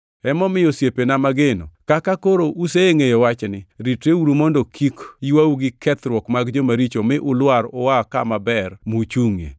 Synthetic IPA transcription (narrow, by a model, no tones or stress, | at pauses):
ɛmɔmɪjosjepenamaɡeno̰kakakoɾoʔuseŋejowat͡ʃnɪɾiteuɾumondokʰikiwawuɡɪkʰɛt̪ɾwɔkmaɡd͡ʒomaɾit͡ʃomɪʔʊlwaɾɔwakamabɛrmut͡ʃuŋḛ